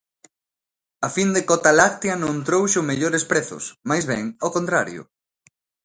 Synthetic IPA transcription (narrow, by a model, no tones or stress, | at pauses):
afind̪ekɔt̪alakt̪janõŋt̪ɾowʃomeʎoɾespɾeθʊ̰smajzβɛŋokõnt̪ɾaɾjʊ̰